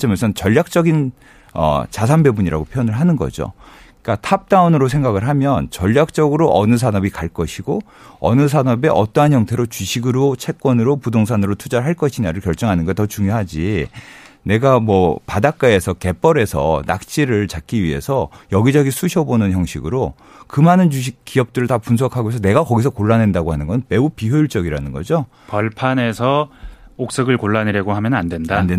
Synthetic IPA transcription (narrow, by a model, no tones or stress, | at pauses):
t͡ɕemasʰɯnt͡ɕʌʎːjak̚t͡ɕ͈ʌɡin | ʌ̰t͡ɕas̬ʰanbe̞buɲiɾa̰ɡopʰjʌnɯɭɦanɯnɡʌ̰d͡ʑo̰ | k͈atʰap̚t͈aunɯɾosʰe̞ŋɡaɡɯɭɦamjʌnt͡ɕʌʎːak̚t͡ɕ͈ʌɡɯɾoʔʌnɯs̬ʰanʌbikaɭk͈ʌɕʰiɡo | ʌ̰nɯs̬ʰanʌbe̞ʔʌt͈ʌɦançjʌŋtʰe̞ɾot͡ɕɥiɕʰiɡɯɾot͡ɕʰe̞k̚k͈wʌnɯɾopudoŋs̬ʰanɯɾotʰud͡ʑaɭɦaɭk͈ʌɕʰinaɾɯɭkjʌɭt͡ɕ͈ʌŋɦanɯnɡatʌt͡ɕuŋjoɦad͡ʑi | ne̞ɡamwʌpadak̚k͈ae̞sʰʌke̞p͈ʌɾe̞sʰʌ̰na̰k̚t͡ɕ͈iɾɯɭt͡ɕak͈iɥiɦe̞̰sʰʌjʌɡid͡ʑʌɡisʰuɕʰʌbonɯnçjʌŋɕʰiɡɯɾo | kɯmanɯnt͡ɕuɕ̬ʰik͈ːiʌp̚t͈ɯɾɯɭtapuns̬ʰʌkʰaɡoesʰʌne̞ɡakʌɡisʰʌkoɭːane̞ndaɡoɦanɯnɡʌnɯnme̞upiɦjoiɭt͡ɕ͈ʌɡiɾanɯnɡʌ̰d͡ʑo | pʌɭpʰane̞sʰʌok̚s͈ɯɡɯɭkoɭːanɯɾjʌɡoɦamjʌnnandwendandwe